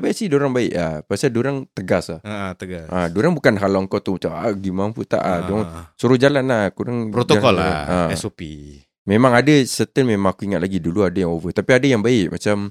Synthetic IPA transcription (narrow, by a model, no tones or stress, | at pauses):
baaʔsihdoɾaŋbaɪʔlahpasadoɾaŋt̪əɡasahat̪əɡasadoɾaŋbukanɦalaŋkɔt̪umat͡ʃamaɡimaŋput̪a̰ʔadoɾaŋsuɾʊhd͡ʒalanlahkuɾaŋpɾotd͡ʒ̪oaɔlaaɛsopi | memãŋadasət̪əlmemãŋakuiŋat̪̚laɡiduluadajaŋovət̪apiadajaŋbaɪʔ̚mat͡ʃam